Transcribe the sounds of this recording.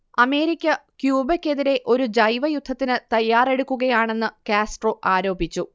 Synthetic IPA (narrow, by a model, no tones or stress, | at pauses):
ɐme̞ːɾikʲːɐkjuːbɐkʲːe̞ðiɾe̞ʔo̞ɾud͡ʑɐjʋɐjud̪ʱːɐt̪ːinɨt̪ɐjːaːre̞ɽukːuɣɐjaːɳe̞nːɨkaːsʈro̞ːʔaːɾo̞ːbʱit͡ɕːu